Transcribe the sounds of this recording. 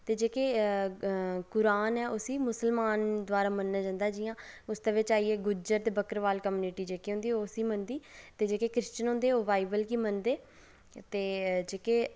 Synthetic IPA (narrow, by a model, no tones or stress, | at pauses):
t̪eːd͡ʒeːkeː | kʊɾaːnɛːʔʊsiːmʊsəlmaːnd̪ʊaːɾaːmənːaːd͡ʒãːnd̪aːd͡ʒɪjãːʊsd̪eːʋɪt͡ʃaːiːeːɡʊd͡ʒəɾt̪eːbəkəɾʋaːlkːmjuːniːʈiːd͡ʒeːkeːɦʊ̃nd̪iːoːsiːmənd̪iːt̪eːd͡ʒeːkeːkɾɪst͡ʃənɦʊ̃nd̪eːoːbaːibəlkiːmənd̪eː | t̪eːd͡ʒeːkeː